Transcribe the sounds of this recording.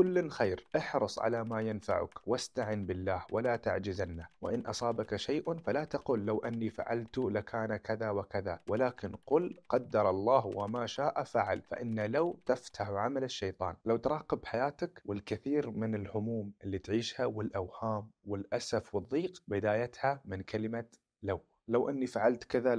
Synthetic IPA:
kʊlːnxajɾʔɪħɾɨsˤʕa̰lamajanfa̰ʕʊ̰kwast̪aʕɪnbɪlːaːhwalat̪a̰ʕd͡ʒɪzanːawɪ̰ʔɪnʔɑ̰sˤɑːbakaʃajʔfalat̪ɑquːlːawʔanːifa̰ʕa̰lt̪ʊlakaːnakaðawakaðawɪlaːkɪnqʊlqɑd̪ːɑɾˤɑlˤːɑːhwamaːʃaːʔafaʕalfa̰ʔɪnːalawt̪aft̪ʰaħʕamalɪʃːɑjt̪ˤɑ̰ːnlawt̪ɾˤɑːqɪbħajaːt̪akwɪlkɪθiːɾmɪnɪlʕʊmuːmʔɪlːit̪ʕiːʃhawɪlʔawhaːmwɪlʔasafwɨðˤːiːqbɪd̪aːjat̪hamɪnkalɪma | law | lawʔanːifaʕalt̪kaða

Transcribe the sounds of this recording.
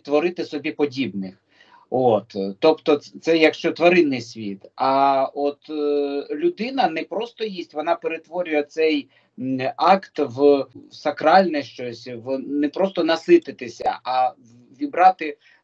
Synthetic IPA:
t̪ʋɔɾɪt̪ɪsɔbʲipɔdʲibnɪx | ot̪ːɔpt̪ɔt̪sɛjɐkʃt͡ʃɔt̪ʋɐɾɪnːɪjsʲʋʲit̪ɐɔt̪ | lʲʊd̪ɪnɐnɛpɾɔst̪ɔjisʲtʲʋɔnɑpeɾet̪ʋɔɾʲʊjɛt̪sɛj | ɑkt̪ʋsɐkɾɑlʲnɛʃt͡ʃɔsʲʋnɛpɾɔst̪ɔnɐsɪt̪ɪt̪ɪsʲɐ̰ɐ | ʋʲibɾɑt̪ɪ

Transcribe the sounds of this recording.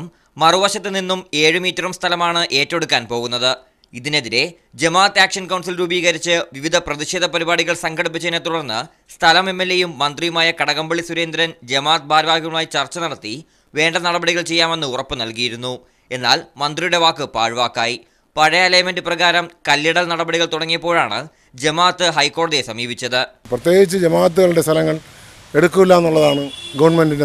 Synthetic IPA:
mː | ɐruʋɐɕɐt̪ːɨninːume̞ːɻɨmiːtːɐrɐmst̪ʰɐlɐmaːɳɨʔe̞ːtːo̞ɽukːaːnpo̞ːɣunːɐðɨ | iðine̞ðiɾe̞ | d͡ʑemaːt̪ːaːkʂɐnkɐwɳs̬ilɾuːbiːɣɐɾit͡ɕːɨʋiʋid̪ʱɐprɐðiɕe̞ːd̪ʱɐpɐɾibaːɽiɣɐɭsɐŋɡʱɐɽip̬ːit͡ɕːenːet̪uɽɐrnːɨ | st̪ʰɐlɐme̞mːe̞lːe̞jumːɐnd̪rijumaːjɐkɐɽɐɣɐmbɐɭisuɾe̞ːnd̪ɾɐnd͡ʑe̞maːt̪̚bʱaːɾʋaːɡɐɣɭaːjt͡ɕɐrt͡ɕːɐnɐɽɐt̪ːi | ʋe̞ːɳɖɐnɐɽɐbɐɽiɣɐɭt͡ɕe̞jːaːme̞nːɨurɐpːɨnɐlkijiɾunːu | e̞nːaːlmɐnd̪rijuɽe̞ʋaːkːɨpa̰ːɻʋaːkːaːji | pɐɻɐjalɐjɐmenɖɨprɐɣaːɾɐmkɐljɐɽɐlnɐɽɐbɐɽiɣɐɭt̪uɽɐŋːijɐpːoːɻaːɳɨ̰ | d͡ʑemaːt̪ːɨɦɐjkːo̞ːɽɐðijesɐmiːbit͡ɕːɐðɨprɐt̪jeːɡit͡ɕːɨd͡ʑemaːɐt̪̬ːuɣɐɭiɽe̞st̪ʰɐlɐŋːɐɭ | e̞ɽukːumilːaːenːuɭːɐðaːɳɨɡɐʋɐnmenɖine

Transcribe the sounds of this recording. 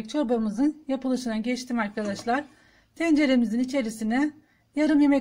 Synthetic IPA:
c̚t͡ʃʰo̞ɾbamɯzɯnjapʰɯlˠɯʃɯnaɟɛt͡ʃt̪ʰiːmaɾkʰad̪aʃlˠaɾ̥ | t̪ʰɛnd͡ʒe̞ɾemizinit͡ʃʰe̞ɾisinɛ | jaɾɯmje̞mɛ

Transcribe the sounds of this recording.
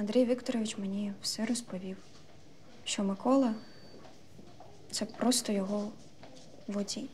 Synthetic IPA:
ɐnd̪ɾʲɛjʋʲikt̪ɔɾɔʋʲit͡ʃmenʲiwsɛɾɔspɔʋʲiw | ʃt͡ʃɔmɪkɔlˠɐ | t̪sɛpɾɔst̪ɔjɔɦɔ | ʋɔdʲi

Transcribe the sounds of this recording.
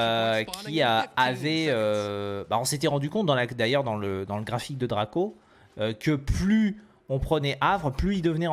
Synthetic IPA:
økʲʰiaavɛøbaɔ̃set̪ɛʁɑ̃d̪ykɔ̃t̪̚d̪ɑ̃lad̪ajœʁd̪ɑ̃ləd̪ɑ̃ləɡʁafik̚d̪əd̪ʁako | økəply | ɔ̃pχənɛʔavʁəplyild̪əvnɛ̃

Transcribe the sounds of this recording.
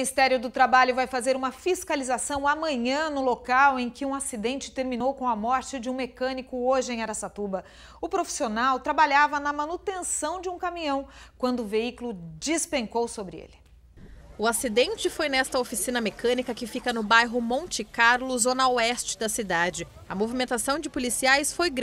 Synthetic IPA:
minist̪ɛɾjʊd̪ʊt̪ɾabaʎʊvajfazeɾũmɐfiskalizasɐ̃w̃ɐmɐ̃ɲɐ̃nʊlokawẽj̃kɪũasid̪ẽnt͡ʃɪ̥t̪eɾmĩnowkõw̃ɐmɔɾt͡ʃɪd͡ʒɪũmekɐ̃nikʊoʒɪẽj̃aɾasat̪ubɐ | ʊpɾofi̥sionawt̪ɾabaʎavɐnɐmanut̪ẽsɐ̃w̃d͡ʒɪũkamĩɲɐ̃w̃kwɐ̃nd̪ʊːveikulʊd͡ʒispẽŋkowsobɾɪḛlɪ | ʊasid̪ẽnt͡ʃɪfojnɛst̪ɐofisĩnɐmekɐ̃nikɐkɪfikɐnʊbajɦʊmõnt͡ʃɪkaɾlʊzonawɛst͡ʃɪ̥d̪ɐsid̪ad͡ʒɪ | ɐmovimẽnt̪asɐ̃w̃d͡ʒɪpolisiajsfojɡɾ

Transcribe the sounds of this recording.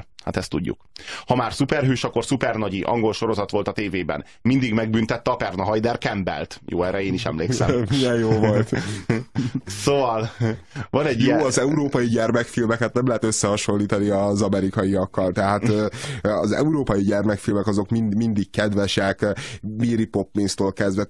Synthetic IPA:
ha̰t̪ɛst̪ṵɟːṵkhɒmaːrsupɛrɦyːʃɒkːo̞rsupɛrnɒɟiʔɒ̰ŋɡo̞lʃo̞ɾo̞zɒt̪ʋo̞lt̪ɒt̪eːveːbɛ̰n | mind̪iɡmɛɡ̚bynt̪ɛt̪ːɛɒpɛrnɒɦɒjd̪ɛrkɛmbɛ̰lt̪jo̰ːɛːɾɛeːniʃɛ̰mleːksɛ̰miɛjjoːvolt̪ | sovɒlvɒnɛɟːjiːɒzɛuɾoːpɒjiɟɛrmɛkfilmɛkhɛt̪nɛmlɛɦɛt̪øsːɛhɒʃo̞lːiːt̪ɒniɒzɒmɛɾikɒjiɒkːɒlt̪ɛɦaːt̪ː | ɒzɛ̰uɾoːpɒjiɟɛrmɛkfilmɛkɒzo̞kminmind̪ikkːɛd̪ʋɛʃɛkmiːɾipo̞pːminst̪oːlkɛzd̪ʋɛ

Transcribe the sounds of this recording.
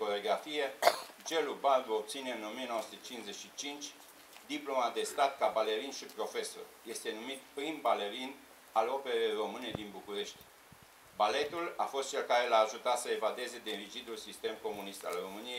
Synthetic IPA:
koɾeoɡɾafije̞d͡ʒe̞lubald̪uo̞b̚t̪sine̞ɨno̞mijenosut̪et͡ʃinsze̞ʃit͡ʃint͡ʃʲ | d̪iplo̞mad̪e̞st̪at̪kabale̞ɾinʃipɾo̞fe̞so̞̰rje̞st̪e̞numit̪pɾinbale̞ɾin | alo̞pe̞ɾejro̞mɨned̪inbukuɾe̞ʃt̪ʲ | bale̞t̪ulafo̞st̪̚t͡ʃe̞lkaɾe̞laːʒut̪at̪səe̞vad̪e̞ze̞d̪e̞ɾid͡ʒid̪ulsist̪e̞mko̞munist̪a̰lro̞mɨnijej

